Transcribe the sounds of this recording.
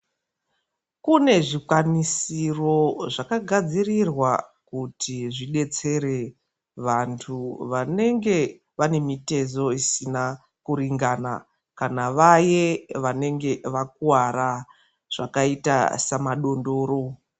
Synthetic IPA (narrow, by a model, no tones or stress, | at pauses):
kune̞ʐikwanisiro̞ʐakaɡʱad͡zirirwakutʰiʐiɗe̞t͡se̞ɾe̞ | ʋantʰuʋane̞ŋɡe̞ | ʋane̞mite̞zo̞isina | kuɾiŋɡana̰ | kanaʋaje̞ʋane̞ŋɡe̞ʋak̚uwaɾa | ʐ̥a̰kaita̰samaɗo̞ndo̞ːɾo̞